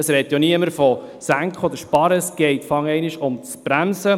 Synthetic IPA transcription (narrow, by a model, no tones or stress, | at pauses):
əsɾɛt̪ːjoniəməɾfɔsæŋkχɔd̪əɾʃpɑɾəsɡ̥ɛɪt̪fɑŋɛɪnɪʃʊmt͡sbɾæmsə